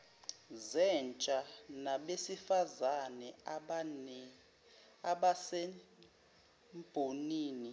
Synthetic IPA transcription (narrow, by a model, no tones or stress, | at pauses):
zɛnt͡ʃʼanaɓesifazanɛ | ɓasɛ | mb̥ʱoniːni